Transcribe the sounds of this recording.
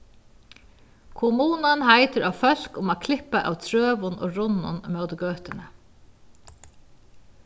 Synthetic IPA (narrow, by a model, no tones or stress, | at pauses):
kʰʊmuːnanhaɪt̪əɾʔawfœl̥kʊmaːkʰlɪhpaʔa̰wt̪ʰɹøːʋʊno̰ːɾʊnːʊ̰nmœwd̪ɡøːt̪ɪnə